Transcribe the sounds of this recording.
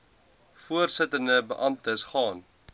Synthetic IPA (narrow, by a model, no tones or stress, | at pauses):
fuərsətəndəbəʔɐmtəsχɑːn